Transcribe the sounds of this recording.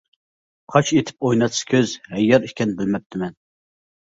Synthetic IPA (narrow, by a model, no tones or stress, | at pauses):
qʰɑt͡ʃet̪ʰɪ̥p̚ojnɑt̪sɨ̥kʲʰøzhɛjːɛɾikʲʰɛnbɪlmɛp̚t̪ʰɪmɛn